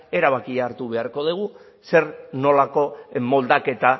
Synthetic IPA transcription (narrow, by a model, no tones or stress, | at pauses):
e̞ɾaβ̞akiaːɾt̪uβe̞aɾko̞ð̞eɣ̞u | se̞ɾno̞lako̞mo̞ld̪ake̞t̪a